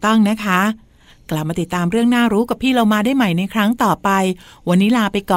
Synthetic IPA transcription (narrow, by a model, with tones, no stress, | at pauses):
t̪ɔ˥˩ŋna˦˥kʰa˦˥ | kla˨˩p̚maː˧t̪i˨˩t̪ːaː˧mɾɯ˥˩əŋnaː˥˩ɾuː˦˥ka˨˩pʰːiː˥˩ɾa˧wmaː˧daː˥˩jma˨˩jna˧jkʰɾa˦˥ŋt̪ɔː˨˩pa˧jwa˧nːiː˦˥laː˧pa˧jkɔː˨˩